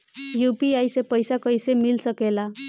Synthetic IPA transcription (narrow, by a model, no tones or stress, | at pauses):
jupiajsepəjsakəjsemilsəkela